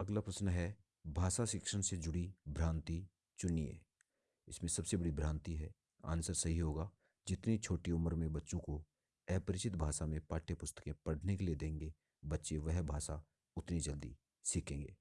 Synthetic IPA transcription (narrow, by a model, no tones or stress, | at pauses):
ɐɡlapɾəsnɦɛ | bʱaːʃaʃɪkʃəñsed͡ʒʊɽibʱɾãːnt̪i | t͡ʃʊniḛː | ɪsmẽsɐbsebəɽibʱɾãːnt̪iɦɛː | a̰ːnsəɾsɐɦiɦoːɡaː | d͡ʒɪt̪nit͡ʃʰoːʈiʊməɾmẽbɐtːʃõko | ɛːpəɾɪt͡ʃɪt̪bʱaːʃamẽpaːʈʰepʊst̪ə̥kẽpɐɽ̤ʱnekelied̪ẽːŋɡe | bɐtːʃeʋɛɦbʱaːsa | ʊt̪nid͡ʒəld̪ḭ | sikʰẽːŋɡḛː